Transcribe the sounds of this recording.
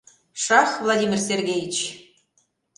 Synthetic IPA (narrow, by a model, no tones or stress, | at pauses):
ʃɑxvlˠadʲimʲirserɣʲejət͡ɕ